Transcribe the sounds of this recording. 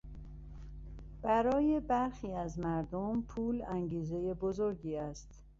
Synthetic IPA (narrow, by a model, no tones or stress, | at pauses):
b̥æɾɒːje̞bæɾxiːæzmæɾd̪ompʰuːlæŋɟiːze̞jebo̞zo̞ɾɟiːæst̪